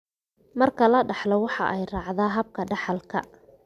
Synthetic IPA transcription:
mɐrkʰɐlɐɖɑħlɔwɑħɑ̰ʔɛjrɑːʕðaːɦɐb̚kʰɐɖɑħɑlkʰɐ̰

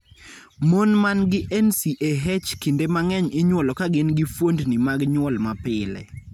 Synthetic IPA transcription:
monmanɡɪʔɛnsiʔeɦɛt͡ʃkindemaŋɛɲɪɲwɔlɔkaɡɪnɡɪfwondnimaɡɲwɔlmapɪlɛ̰

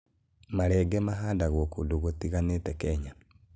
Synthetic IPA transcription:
maɾɛɡɛmaɦaːdaɣwɔkudoɣotiɣanetɛkɛɲa

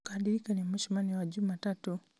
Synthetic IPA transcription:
kaɗiɾikanimɛʃimaniwaʄumatatu

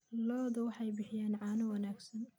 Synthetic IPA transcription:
lɔːðɐwɑħɑjbɪħɪjaːnʕɑːnɐwɐnaːɡsɐn

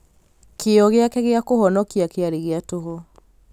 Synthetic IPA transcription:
keɔɣeakɛɣeakohɔnɔkiakeaɾeɣeatoɦo

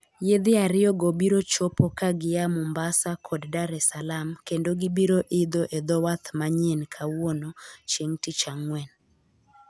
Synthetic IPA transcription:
jed̪ɪaɾɪɔɡobiɾot͡ʃopɔkaɡɪjamʊmbasakʰɔddaɾɛsalamkendoɡibiɾoʔɪd̪oʔed̪ɔwat̪maɲenkʰawonot͡ʃeŋtɪt͡ʃaŋwɛn

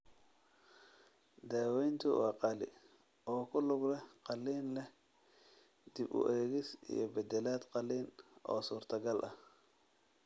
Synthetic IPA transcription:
d̪aːwɛjnt̪ʰʊwɑːqɑlɪ̰ | ɔːkʰʊlʊɡlɛqɑlːiːnlɛ | d̪̥ibʊ̰ʔɛːɣɪsḭjɞbɛd̪ɛlaːd̪qɑliːnʔɔ̰ːsuːrt̪ʰɐɡɐlʔɐh

